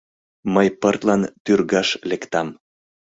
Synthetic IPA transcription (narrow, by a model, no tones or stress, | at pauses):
məjpərt̪lɑnt̪yrɣɑʃlekt̪ɑm